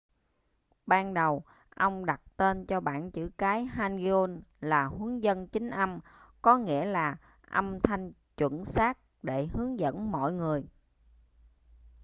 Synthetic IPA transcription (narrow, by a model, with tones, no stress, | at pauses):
ɓaː˧nɗə˨˩w | ʔə˧wŋ͡mɗa˨˩t̚t̪e˧nt͡ɕɔ˧ɓa̰ː˧˨nt͡ɕɨ̰˧˩kaː˨˦jɦaː˧ni˧o˧nlaː˨˩hu˨˦əŋzə˧nt͡ɕï˨˦ŋ̟ʔə˧mkɔ˨˦ŋḭ˧˥əlaː˨˩ | ʔə˧mt̪ʰa˧jŋ̟ | t͡ɕwə̰˧˥˨nsaː˦˥k̚ɗe˧˩ɦɨ˨˦əŋzə̰˧˥nmɔ̰˧˨jŋɨ˨˩əj